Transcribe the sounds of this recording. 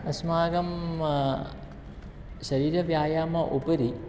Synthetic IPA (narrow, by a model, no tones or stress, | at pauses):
ɐsmaːɡɐm | ɕɐɾiːɾɐʋjaːjaːmɐʔupɐɾi